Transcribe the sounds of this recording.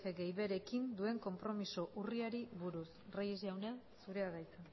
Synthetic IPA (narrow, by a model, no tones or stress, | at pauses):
feɡe̞jβe̞ɾe̞kind̪ue̞ŋko̞mpɾo̞misoʔuriaɾiβuɾusrajezeawne | suɾe̞aðajt͡sen